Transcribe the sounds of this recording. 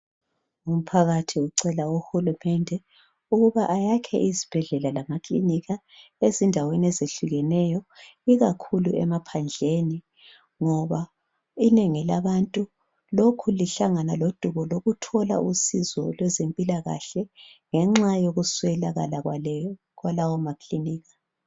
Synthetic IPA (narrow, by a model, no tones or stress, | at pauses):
um̩pʰaɣatʰiuǀɛlauhulumɛndʱɛ | uɣuβaʔajakʰɛ̰ʔizib̥ʱɛɮɛlalamakʰʼlḭniɣa | ezindʱaweniɛzeɬuɣɛnɛjɔ | iɣakʰuluɛ̰mapʰand͡ɮʱeni | ŋɔβa | ineŋilaβantʼu | lokʰuliɬaŋanalod̥ʱuɣɔloɣutʰɔla̰ʔusizɔ̰lwɛzempʼilaɣa̰ɬɛŋɛŋ͡ǁajoɣuswɛlaɣa̰laɣ | ɣwalawɔmakʰʼliniːɣḁ